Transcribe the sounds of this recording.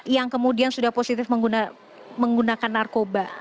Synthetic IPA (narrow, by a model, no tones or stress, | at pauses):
jaŋkəmudiansudahposit̪ɪfməŋɡuna | məŋɡunakanːarkoba